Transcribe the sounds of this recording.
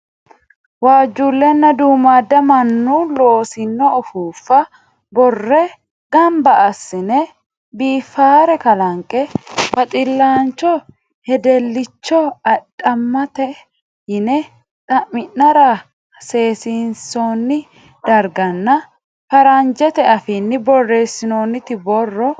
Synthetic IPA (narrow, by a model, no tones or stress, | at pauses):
waːd͡ʒːulːɛnːɐd̪uːmaːd̪ɐmɐnːuloːsɪnːɔːfuːfːɐ | bɔrːɛ | ɡɐmbɐʔɐsːɪnɛ | biːfːaːɾɛkɐlɐŋkʼɛbɐt̪ʼɪlːaːnt͡ʃːɔ | hɛd̪ɛlːɪt͡ʃːɔɐɗʼɐmːɐt̪ɛ | hɪnɛ | t̪ʼɐʔɪnːɐɾɐ | se̞ːsɪnsoːnːɪ | d̪ɐɾɡɐnːɐ | fɐɾɐnd͡ʒɛt̪ɛɐfɪnːɪbɔrːeːsːɪnoːnːɪt̪ɪbɔrːɔ